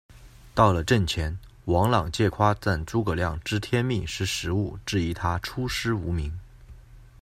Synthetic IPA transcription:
t̪ɑ˥˩ʊlə˩ʈ͡ʂə˥˩nt͡ɕʰjɛ˧˥n | wɑ˧˥ŋlɑ˨˩ŋt͡ɕjɛ˥˩kʰwa˥t͡sa˥˩nt͡su˥kɤ˨˩ljɑ˥˩ŋʈ͡ʂɻ̩˥t̪ʰjɛ˥nmi˥˧ʂɻ̩˥˩ʂɻ̩˧˥u˥˩ʈ͡ʂɻ̩˥˩i˧˥t̪ʰa˥ʈ͡ʂʰu˥ʂɻ̩˥u˧˥mi˧˥ŋ

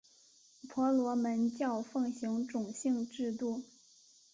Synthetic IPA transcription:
pʰwɔ˧˥lwɔ˧˥mə˧˥nt͡ɕjɑ˥˧ʊfɤ˥˩ŋɕi˧˥ŋʈ͡ʂʊ˨˩ŋɕi˥˧ŋʈ͡ʂɻ̩˥˧t̪u˥˩

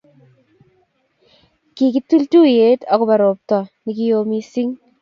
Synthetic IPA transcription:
ki˨ki˦tu˦ltu˦je˦ta˨ku˨ba˨ɾo˨p̚tɔ˨ni˨kijo˦mi˦si˦ŋ

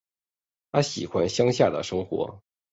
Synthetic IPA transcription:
t̪ʰa˥ɕi˨˩xwa˥nɕjɑ˥ŋɕja˥˩d̪ə̰˩ʂɤ˥ŋxwɔ̰˧˥

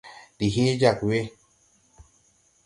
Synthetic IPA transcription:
di˨ɦe˦d͡ʒa˨kwe˦

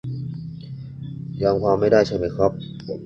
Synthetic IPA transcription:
jɔː˧ŋkʰaː˧mːa˥˩jdaː˥˩jt͡ɕʰa˥˩nma˧˥˩kʰɾɔ˦˥p̚

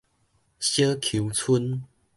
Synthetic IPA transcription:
ɕjə˦kʰu˨˦wt͡sʰu˦n

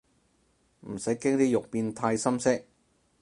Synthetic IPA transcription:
m̩˨˩sɐ˨˥jkɪ˥ŋt̪iː˥jʊ˨k̚piː˧nt̪ʰaː˧jsɐ˥msɪ˥k̚

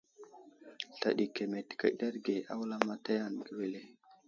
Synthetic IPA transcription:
ɬa̰˨ɗi˨ke˨me˨tka̰˨da˦ɾɡe˨ʔa̰˦wla˦ma˦ta˦ja˦˨nɡi˨we˨le˦

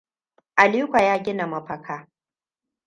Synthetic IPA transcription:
ʔa˨liː˦kʷa˨jaː˦ɡʲɪ˦na˨mɐ˨ɸɐ˨kʰaː˦

